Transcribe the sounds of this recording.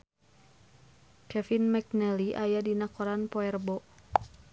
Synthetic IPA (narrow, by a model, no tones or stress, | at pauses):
kɛfinmɛk̚nɛliʔajadinakɔɾanpɔɛrbɔ